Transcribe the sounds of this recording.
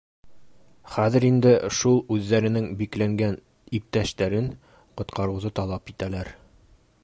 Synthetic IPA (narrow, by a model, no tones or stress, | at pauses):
χæðɘ̆ɾind̪ɘʃulˠʉðːæɾɘ̆nɘŋbiklæŋɡæn | ip̚t̪æʃt̪æɾɘŋ | qŏt̪qɑɾɤ̆wzɤt̪ɒlˠɑpit̪ælæɾ